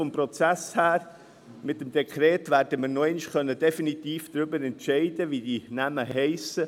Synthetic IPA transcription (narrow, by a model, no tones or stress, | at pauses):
ɔmpɾɔt͡sæshæːɾ | mɪt̪ːəmd̥̪ɛkʰɾɛːt̪ʋæːɾdəmɪːɾnoɛɪnʃkœnːəd̥ɛfinit̪iːfd̪̥ɾʏbəɾɛntʃɛɪd̪əʋid̥̪inæməɦɛɪsə